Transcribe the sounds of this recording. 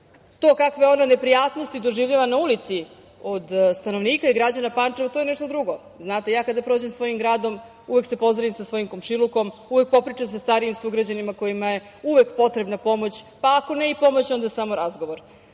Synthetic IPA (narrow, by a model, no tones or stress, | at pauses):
t̪o̞ːkakʋeo̞nane̞pɾijaːt̪no̞st̪id̪o̞ʒiʋʎaʋanaulit̪si | od̪st̪ano̞ʋniːkaiɡɾad͡ʑanapant͡ʂeʋat̪ojeneʃt̪od̪ɾuɡo̞ | znaːt̪ejaːkad̪apɾo̞ːd͡ʑemsʋo̞jimɡɾaːd̪o̞m | uʋe̞kse̞po̞zɾaʋimsasʋo̞jimkomʃilˠuko̞muʋe̞k̚po̞pɾit͡ʂamsast̪aɾiimsuɡɾad͡ʑanimako̞jimaje̞ | uʋekpo̞t̪ɾe̞bnapo̞mo̞t͡ɕpaːko̞neipo̞mo̞t͡ɕo̞nd̪asamo̞ɾazɡo̞ʋo̞ɾ